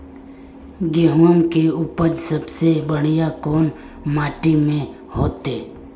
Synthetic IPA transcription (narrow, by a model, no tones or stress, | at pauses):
ɡeɦəmkeupəɾsəbsebəɽ̤ijakɔːn | maːʈimẽ | hoːt̪eː